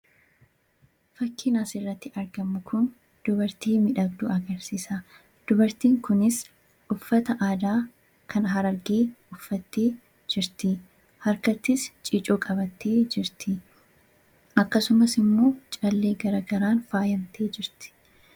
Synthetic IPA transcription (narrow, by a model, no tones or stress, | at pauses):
fɐkːiːnaːsɪrːɐt̪ːɪʔɐɾɡɐmːʊkʰʊn | d̪̥ʊβɐɾt̪iːmɪᶑɐɡd̪uːʔɐɡɐɾsiːsɐ | d̪̥ʊbɐɾt̪iːŋkʊnɪs | ʔʊfːɐt̪ɐʔaːd̪aː | kʰɐnɦɐɾɐɾɡe̞ːʊfːɐt̪ːeː | d͡ʒɪɾt̪ɪ | hɐɾkɐt̪ːɪst͡ʃʼiːt͡ʃʼoːkʼɐbɐt̪ːe̞ːd͡ʒɪɾt̪ɪ | ʔɐkːɐsʊmɐsɪmːo̞ːt͡ʃʼɐlːe̞ːɡɐɾɐɡɐɾaːnfaːjɐmt̪ʰe̞ːd͡ʒɪɾt̪ɪ̥